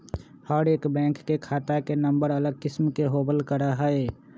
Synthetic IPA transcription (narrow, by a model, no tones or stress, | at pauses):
həɾeːkbɛ̃ːŋkːekʰaːt̪akenəmbəɾələɡ̚kɪsmkeɦoːbəlkəɾaɦəe